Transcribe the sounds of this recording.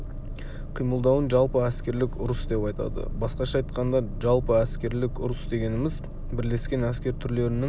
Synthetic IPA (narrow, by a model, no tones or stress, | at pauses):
qʰijməlˠd̪ɑwənʒɑlˠpəæskʲe̞ɾlɪkʲʊɾəsd̪e̞pɑjt̪ɑ̰d̪ə̰bɑsqɑʃɑɑjt̪̚qɑnd̪ɑʒɑlˠpəæskʲe̞ɾlɪkʊɾəsd̪e̞ɡʲe̞nɪmɪz | bɪɾle̞skʲe̞næskʲe̞ɾt̪ʰʏɾle̞ɾɪnɪŋ